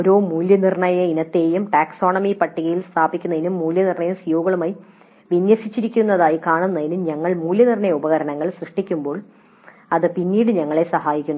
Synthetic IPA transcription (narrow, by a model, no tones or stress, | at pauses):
oɾo̞ːmuːljɐnirɳɐjɐinɐt̪ːeːjumʈaːkso̞ːɳɐmipɐʈːiɣɐjilst̪ʰaːbikʲːunːɐðinumːuːljɐnirɳɐjɐmsujoːɡɐɭumaːji | ʋinjɐsit͡ɕːiɾikʲːunːɐðaːjikaːɳunːɐðinɨmɲɐŋːɐɭmuːljɐnirɳɐjɐubɐɣɐɾɐnɐŋːɐɭsrɨʂʈikʲːumbo̞ːɭ | ɐðɨpinːiːɽɨɲɐŋːɐɭe̞sɐhaːjikʲːunː